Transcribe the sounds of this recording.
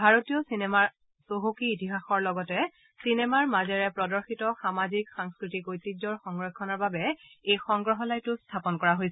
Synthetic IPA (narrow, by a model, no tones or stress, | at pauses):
bʱaɹotijɔsinɛmaɹ | soɦukiːtiɦaxɔɹlɔɡɔtɛ | sinɛmaɹmazɛɹɛpɹɔdɔɹxitɔxamazikxaŋskɹitikojtid͡ʒɔɹxɔŋɡɹɔkʰːɔnɔɹbabɛejxɔŋɡɹɔɦɔlajtʊstʰapɔnkɔɹaɦojsɛ